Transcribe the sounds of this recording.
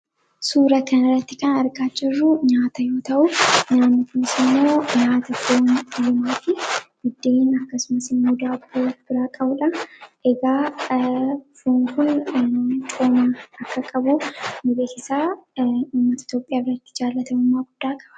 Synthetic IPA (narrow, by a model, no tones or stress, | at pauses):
suːɾɐkɐnɐrːɐt̪ːɪkɐnɐɾɡʼaːt͡ʃːɪrːʊɲaːt̪ɐjo̞ːt̪ɐʔʊnaːnːɪkʊnɪsɪmːoːɲaːt̪ɐfoːnlɪmaːfɪɡɪd̪ːeːnɐkːɐsʊmɐsɪnmʊd̪aːbːɐwb̥ɪɾaːkʼɐbʊᶑɐnʔɛɡaː | foːŋkʊn | t͡ʃʼoːmɐɐkːɐkʼɐbunɪbeːkɪsaːuːmːɐt̪ɐɪ̥t̪jo̞ːpʼːɪjaːrːɐt̪ːɪ̥d͡ʒaːlːɐt̪ɐmʊmːaːɡʊd̪ːaːkʼɐ̥bɐ